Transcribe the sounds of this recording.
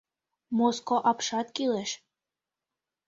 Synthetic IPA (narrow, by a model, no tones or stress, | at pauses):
moskoʔɑpʃɑt̪kileʃ